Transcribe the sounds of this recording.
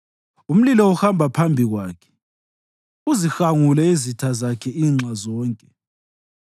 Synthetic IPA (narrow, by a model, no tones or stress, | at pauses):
um̩lilɔuxambʱapʰambʱiɣwaːkʰɛ̥ | uzixaŋulɛizitʰazakʰɛiːŋ͡ǁʱazɔːŋkʼɛ